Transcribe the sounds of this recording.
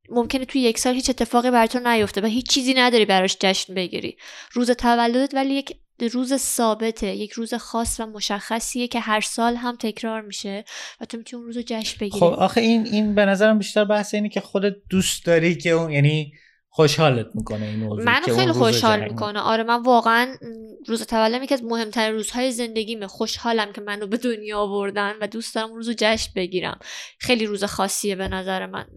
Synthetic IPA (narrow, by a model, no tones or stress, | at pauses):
momcʰe̞net̪ʰujejecsɒːlhiːt͡ʃe̞t̪ʰːe̞fɒːɣibæɾɒt̪ʰonæjo̞ft̪evæɦiːt͡ʃːt͡ʃʰːiːziːnæd̪ɒːɾiːbæɾɒʃd͡ʒæʃnbe̞ɟḭɾḭːɾuːzet̪ʰævælːod̪et̪vælijecʰ | ɾuːzesɒːbe̞t̪ʰeje̞cʰɾuːze̞xɒːsvæmo̞ʃæxːæsiːjecʰe̞ɦæɾsɒːlɦæmt̪ʰe̞cʰɾɒːɾmiːʃe̞væt̪ʰo̞mit̪ʰniunɾuːzod͡ʒæʃnbe̞ɡiːɾoiɒxeininbe̞næzæɾæmbiʃt̪æɾbæhseiːnecʰexod̪et̪̚d̪̥uːst̪d̪ɒːɾikʰeujæniː | xoʃhɒːlet̪̚miːkʰoneinommænoxejlixoʃhɒːlmikʰo̞neʔɒ̰ːɾemænvɒːɣeænɾuːzet̪ʰævælːomjecʰʲiæzmohe̞mt̪ʰæɾinruːz̥hɒːjeze̞nd̪e̞ɡʲiːmexoʃhɒːlæmcʰe̞mænobe̞d̪onjɒːvo̞ɾd̪ænvæd̪uːst̪ɒːɾæmunɾuːzod͡ʒæʃmbe̞ɟiːɾæ̰mxe̞jliɾuːzexɒːsːie̞be̞næzæɾe̞mæ̰n